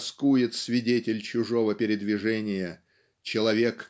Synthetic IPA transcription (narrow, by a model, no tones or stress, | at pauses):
skujɪt̪sʲvʲɪdʲetʲɪlʲt͡ɕʊʐo̞vəpʲɪɾʲɪd̪vʲɪʐɛnʲɪjə | t͡ɕɪlˠɐvʲe̞k